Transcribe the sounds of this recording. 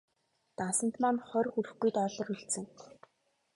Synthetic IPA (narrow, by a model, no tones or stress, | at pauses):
t̪ansə̆n̥t̪manχœrxurɘ̆xɡujt̪ɔɮɞ̆rɵɮt͡sɘ̆ŋ